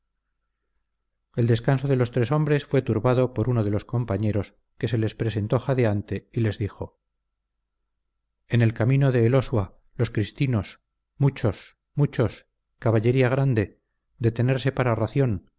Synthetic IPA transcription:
e̞ld̪e̞skansoðe̞lo̞st̪ɾe̞so̞mbɾe̞sfwe̞t̪uɾβaðo̞po̞ɾunoðe̞lo̞sko̞mpaɲe̞ɾo̞s | ke̞se̞le̞spɾe̞se̞nt̪o̞χaðeant̪e̞ile̞zðixo̞ | e̞ne̞lkamĩno̞ðe̞ːlo̞swa | lo̞skɾist̪ino̞s | mut͡ʃo̞s | mut͡ʃo̞s | kaβaʎe̞ɾiaɣ̞ɾand̪e̞ | d̪e̞t̪e̞ne̞ɾse̞paɾaraθjo̞n

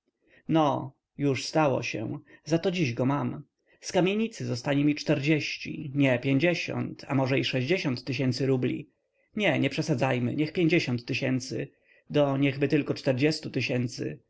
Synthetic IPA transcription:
nɔ | juʂst̪awɔ̰ɕɛ̰zat̪ɔd͡ʑiʑɡɔmam | skamʲjeɲit̪sɘzɔst̪aɲimʲit͡ʂt̪ɛɾd͡ʑeɕt͡ɕḭɲɛpʲjeɲd͡ʑeɕɔ̰nt̪ʰa̰mɔʐɛiʂɛʑd͡ʑeɕɔnt̪ːɘɕ̬ɛnt̪sɘɾublʲḭ | ɲɛɲɛpʂɛsad̪zajmɘ̰ɲɛxpʲjeɲd͡ʑeɕɔnt̪ːɘɕɛnt̪sɘ̰ | d̪ɔɲɛɣbɘt̪ɘlkɔt͡ʂt̪ɛɾd͡ʑɛst̪ut̪ɘɕɛnt̪sɘ̰

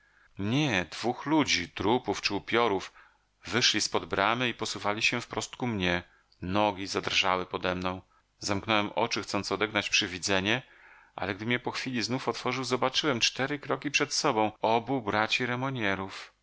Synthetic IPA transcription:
ɲɛd̪vuxlud͡ʑit̪ɾupuft͡ʂɘupʲjɔɾuf | vɘʂlʲispɔd̪bɾamɘipɔsuvalʲiɕɛfpɾɔst̪kumɲɛ | nɔɡʲizad̪rʐawɘpɔd̪ɛmnɔ̃w̃ | zamknɔwɛmʔɔ̰t͡ʂɘxt̪sɔnt̪sɔd̪ɛɡnat͡ɕpʂɘvʲid̪zɛɲɛ | ʔa̰lɛɡ̚d̪ɘmɲɛpɔxfʲilʲiznufɔt̪fɔʐɨwzɔbat͡ʂɘwɛmt͡ʂt̪ɛɾɘkɾɔkʲipʂɛt̪sɔbɔ̃w̃ɔbubɾat͡ɕiɾɛmɔɲɛɾuf

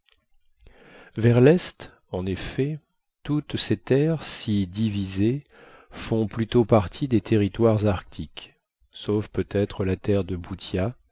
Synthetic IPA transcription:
vɛʁlɛst̪ | ɑ̃nefɛ | t̪ut̪set̪ɛʁsid̪ivize | fɔ̃plyt̪opaʁt̪ʰid̪et̪ʰeʁit̪waʁzaʁk̚t̪ʰik | sofpøt̪ɛt̪χəlat̪ɛʁd̪əbut̪ja

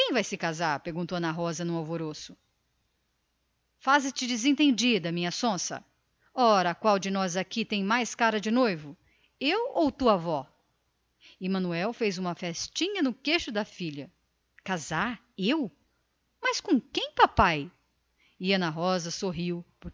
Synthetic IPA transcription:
kẽj̃vajsɪkazaɾpeɾɡũnt̪owɐ̃nɐɦɔzɐnũawvoɾosʊ̥ | fazɪst͡ʃɪd͡ʒɪzẽt̪ẽnd͡ʒid̪ɐmĩɲɐsõsɐ̰ | ɔɾɐkwawd͡ʒɪnɔzakit̪ẽj̃majskaɾɐd͡ʒɪnojvʊ | ewowt̪uavɔ | ɪmɐ̃nuɛwfejzũmɐfɛst͡ʃĩɲɐnʊkeʃʊd̪ɐfiʎɐ | kazaɾ | ew | mɐskõkẽj̃papaj | ɪɐ̃nɐɦɔzɐsoɦiwpʊɾ

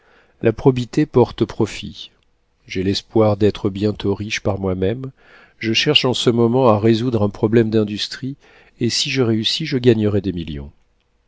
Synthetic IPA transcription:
lʔapχɔbit̪epɔʁt̪pχɔfḭ | ʒelɛspwaʁd̪ɛt̪χəbjɛ̃t̪oʁiʃpaʁmwamɛm | ʒəʃɛʁʃɑ̃səmɔmɑ̃aʁezud̪ʁɛ̃pχɔblɛmd̪ɛ̃d̪yst̪χi | esiʒəʁeysiʒəɡaɲəʁɛd̪emiljɔ̰̃

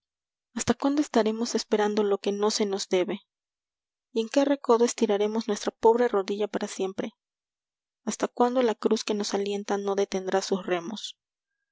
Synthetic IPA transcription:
ast̪akwand̪o̞e̞st̪aɾe̞mo̞se̞spe̞ɾand̪o̞lo̞ke̞no̞se̞no̞zd̪e̞βe̞ | ie̞ŋke̞re̞ko̞ðoe̞st̪iɾaɾe̞mo̞znwe̞st̪ɾapo̞βɾe̞ro̞ðiʝapaɾasje̞mpɾe̞ | ast̪akwand̪o̞lakɾuske̞no̞salje̞nt̪ano̞ðe̞t̪e̞nd̪ɾasusre̞mo̞s

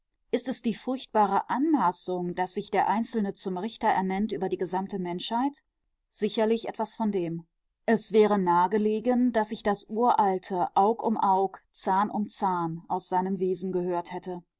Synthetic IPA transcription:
ʔɪstɛsd̥iːfʊɐçt̚b̥aːʁ̞əʔanmaːsʊŋd̥asz̥ɪçd̥eːɐʔaɪnt͡sl̩nət͡sʊmʁɪçtɐʔɛ̰ɐnɛntʔyːbɐdiːɡəzamtəmɛnʃhaɪt | z̥ɪçɐlɪçʔɛ̰tv̥asfɔndeːm | ʔɛsv̥ɛːʁənaːɡəleːɡənd̥asɪçd̥asʔuːɐʔaltʰəʔaʊkʊmʔaʊkt͡saɐnʔʊ̰mt͡saːɐnʔaʊsz̥aɪnəmveːzn̩ɡəhøːɐthɛtə

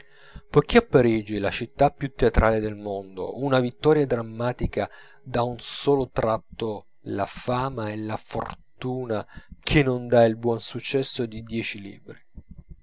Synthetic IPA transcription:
pojk̟ːiapːaɾid͡ʒilat͡ʃit̪ːapːjut̪ːeat̪ɾʔaːled̪elmond̪o̰unavit̪ːɔɾjad̪ɾamːaːt̪ika | d̪aunsɔːlot̪ɾat̪ːo | lafaːmaelafo̰rt̪uːnakʰenːond̪ailbwɔnsut͡ʃːɛsːod̪id̪jɛːt͡ʃilḭːbɾi

